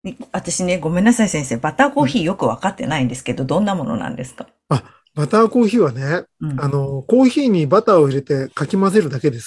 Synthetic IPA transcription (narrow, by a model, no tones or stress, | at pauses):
eβat̪aɕine̞ɡo̞mẽ̞nːasaisẽɰ̃se̞ːbat̪aːko̞ːçiːjo̞kɯ̟βa̰kat̪ːe̞̰naĩnd̪e̞sɨ̥ke̞d̪od̪õ̞nːamo̞no̞̰nã̰nd̪e̞sɨ̥kḁ | a | bat̪aːko̞ːçiːβane̞ɯ̃ano̞ko̞ːçiːɲ̟ibat̪aːoiɾe̞t̪e̞kakʲimaze̞ɾɯ̟d̪ake̞d̪e̞sɨ̥